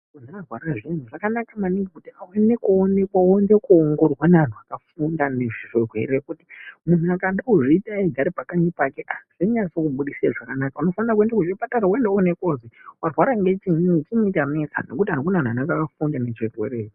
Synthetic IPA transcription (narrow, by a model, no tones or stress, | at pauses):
kunarwaɾaʐin̤uʐakanakamaniŋɡekutiawenekoːnekwawoŋdekuoŋɡo̞rwanaan̤uakafundane̞ʐirirwe̞̰ɾekuti̥mun̤uakaɗauʐiːtaiɡʱaɾipakaɲipakeʔaz̥iɲat͡sokuɓuɗisiaʐakanakauno̞faniɾak̬wendakuʐipataɾawendaonekozewarwaɾaŋɡe̞t͡ʃinut͡ʃimiitamesa̰no̞̰kutian̤ukunan̤uanakakafundane̞t͡ʃirwe̞̰re̞ːt͡ʃ